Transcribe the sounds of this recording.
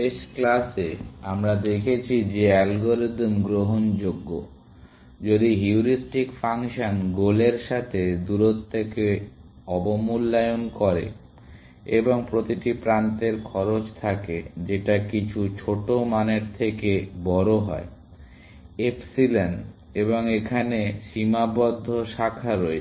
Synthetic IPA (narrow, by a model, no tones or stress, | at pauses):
eʃklaseamɾad̪ekʰet͡ɕʰid͡ʑeɛlɡoɾid̪mɡɾoɦond͡ʑoɡːo | d͡ʑod̪iɦiuɾisʈikfaŋʃanɡoleɾʃat̪ʰed̪uɾot̪ʰːeke | ɔbomulːajonkɔɾḛ | eboŋpɾot̪iʈipɾant̪eɾkʰɔɾot͡ɕt̪ʰaked͡ʑeʈakit͡ɕʰut͡ɕʰoʈomaneɾt̪ʰekebɔɾoɦɔe | epsilanɖ | eboŋekʰaneʃimabɔd̪ʱːoʃakʰaɾoe